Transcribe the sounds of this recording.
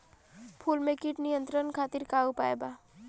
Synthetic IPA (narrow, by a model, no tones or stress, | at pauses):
pʰuːlmẽkiʈnijə̃nt̪ɾənkʰaːt̪iɾkaːupaːeba